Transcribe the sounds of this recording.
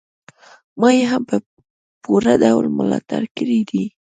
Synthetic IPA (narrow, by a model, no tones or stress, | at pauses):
majeɦampə | puɾad̪awlməlɑ̰t̪a̰ɾkɪɾid̪i